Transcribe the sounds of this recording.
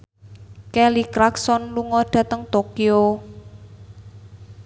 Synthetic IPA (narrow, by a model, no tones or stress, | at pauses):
kɛlikɾaksɔnluŋɔɖ̥ä̤t̪əŋt̪okio